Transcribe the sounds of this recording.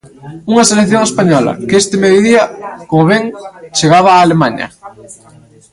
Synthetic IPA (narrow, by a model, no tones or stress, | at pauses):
uŋɐselekθjoŋespaɲɔlɐ̰kest̪ɪmeðjoðiɐkomoβɛŋt͡ʃeɣaβ̞aːlemaɲɐ̰